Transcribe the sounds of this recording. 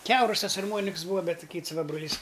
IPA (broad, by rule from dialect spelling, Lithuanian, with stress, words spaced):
ˈkʲɛʊrʊs ˈtɐs ɐrˈmuɔnʲɪks ˈbuːʋɐ ˈbʲɛt ˈkʲɪts ˈʋɐ broːˈlʲiːs